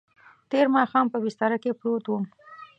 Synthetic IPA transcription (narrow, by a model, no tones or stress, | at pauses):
t̪eɾmɑxɑmpəbɪst̪ɑɾakepɾot̪wum